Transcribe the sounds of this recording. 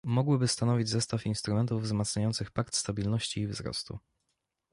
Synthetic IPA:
mɔɡwɘbɘst̪anɔvʲid͡ʑzɛst̪afinst̪ɾumɛnt̪uvːzmat̪sɲajɔnt̪sɘxpak̚t̪st̪abʲilnɔɕt͡ɕiːvzɾɔ̰st̪ṵ

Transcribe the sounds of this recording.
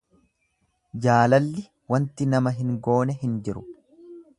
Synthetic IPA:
d͡ʒaːlɐlːɪ | wɐnt̪ɪnɐmɐɦɪŋɡo̞ːnɛhɪnd͡ʒɪɾʊ

